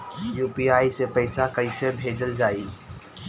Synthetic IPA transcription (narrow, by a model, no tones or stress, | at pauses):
juːpiaːisepəɪsakəɪsebʱeːd͡ʒəld͡ʒaːi